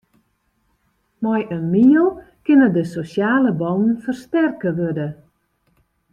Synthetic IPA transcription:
majʔənmiəlˠ | kɪnədəsosjaːləbɔnn̩fərstɛrkəʋødə

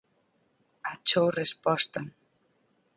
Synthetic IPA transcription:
at͡ʃowrespɔst̪an

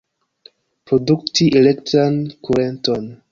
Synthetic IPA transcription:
pɾo̞duktiʔelektɾankuɾento̞n

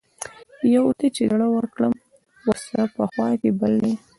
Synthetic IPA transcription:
jawt̪et͡ʃed̪aɽawəɾkɽəm | wəɾsaɾapəxwɑkebalne

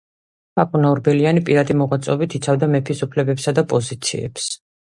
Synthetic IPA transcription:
pʰakʼunaɔɾbɛlianipʼiɾad̪imɔʁwat̪sʼɔbit̪ʰit̪sʰavd̪amɛpʰisupʰlɛbɛpsad̪apʼɔzit̪sʰḭɛ̰ps

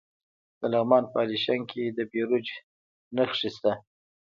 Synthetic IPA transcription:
d̪̥əlaɣmɑnpəaliʃaŋkʰed̪əbeɾud͡ʒ | naxʂist̪a

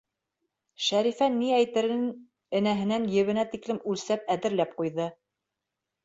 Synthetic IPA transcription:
ʃæɾifænːiæjt̪ɘ̆ɾɘn | ɘ̆næɦɘ̆nænjɘ̆βɘ̆næt̪iklɘmʉlsæp̚æðɘ̆ɾlæp̚qujðɤ

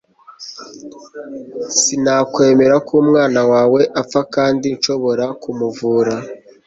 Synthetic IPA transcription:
sinaːkwe̞ːme̞ɾakʰuːmŋaːnawaːwe̞ʔap̪fakaːndinʃo̞βo̞ɾakumuvuːɾa

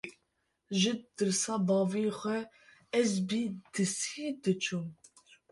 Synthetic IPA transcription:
ʒɨd̪̥ɨɾsɑːbɑːvixʷɛ | ɛzbiːd̪̥ɨsid̪ɨt͡ʃʰum

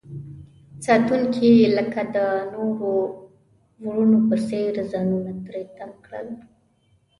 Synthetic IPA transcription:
sɑt̪uŋkiləkad̪ənoɾo | wɽunopəseɾzɑnunat̪ɾet̪amkɽə̰l

